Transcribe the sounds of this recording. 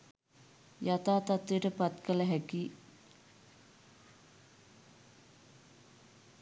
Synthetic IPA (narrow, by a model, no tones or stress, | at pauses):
jat̪aːt̪at̪ʋiʈəpat̪kələɦɛki